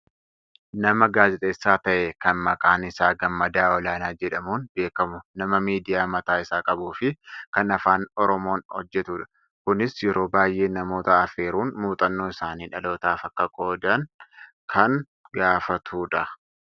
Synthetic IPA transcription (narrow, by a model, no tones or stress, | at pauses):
nɐmɐɡaːzɪt̪ʼeːsːaːt̪ɐʔekɐnmɐkʼaːnɪsaːɡɐmːɐd̪aːɔlaːnaːd͡ʒɛᶑɐmuːnbe̞ːkɐmʊnɐmɐmiːd̪ɪjaːmɐt̪aːɪsaːkʼɐbuːfɪkɐnɐfaːnɔɾɔmo̞ːnhɔ̰d͡ʒːɛt̪uᶑɐ̥ | kʊnɪsjɛɾo̞ːbaːjʔe̞ːnɐmo̞ːt̪ɐɐfeːɾuːnmuːt̪ʼɐnːoːɪsaːniːᶑɐlo̞ːt̪aːfɐkːɐkʼo̞ːd̪ɐn | kʰɐn | ɡaːfɐt̪ʰuːᶑɐ